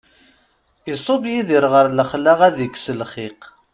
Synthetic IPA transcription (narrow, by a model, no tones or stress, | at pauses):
isˤobjiðiɾʁəɾləχlaʁæðikːsəlχiq